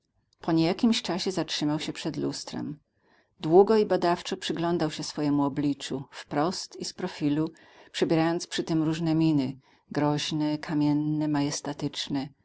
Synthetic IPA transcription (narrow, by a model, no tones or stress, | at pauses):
pɔɲejakʲimɕt͡ʂaɕɛzatʂɘmawɕɛpʂɛd̪lust̪ɾɛ̰m | d̪wuɡɔibad̪aft͡ʂɔpʂɘɡlɔnd̪awɕɛsfɔjɛmuɔblʲit͡ʂufpɾɔst̪ispɾɔfʲilu | pʂɛbʲjɛɾajɔnt̪spʂɘt̪ɘmɾuʐnɛmʲinɘ | ɡɾɔʑnɛkʰamʲɛnːɛmajɛst̪at̪ɘt͡ʂnɛ